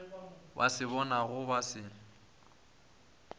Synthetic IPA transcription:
ba̰sɪβɔnaɣʊbasɪ

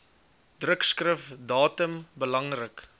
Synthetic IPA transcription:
d̥rəkskrəfdɑːtəmbəlɐŋrək

